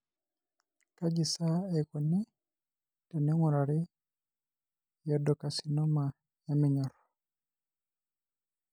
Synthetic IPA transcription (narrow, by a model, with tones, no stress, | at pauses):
ka˦d͡ʒi˨sa˦ɛ˨kɔ˨ni˦ | ta˨nɛ˦ŋu˨ɾa˨ɾi˦ | jɛ˨dɔ˨ka˨si˨nɔ˦ma˨ | ja˦mɛ˨ɲɔ˨ɾɔ˨